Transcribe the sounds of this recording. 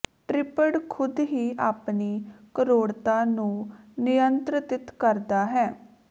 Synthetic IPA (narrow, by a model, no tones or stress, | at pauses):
ʈɾɪpəɽkʰʊd̪ɦiːaːpniːkəɾoːɽt̪aːnũːnɪjənt̪ɾət̪ɪt̪kəɾd̪aːɦɛː